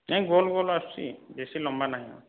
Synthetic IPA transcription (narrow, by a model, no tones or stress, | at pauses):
aɡolɡolassḭbesilɔmbanaɦiɔ̰̃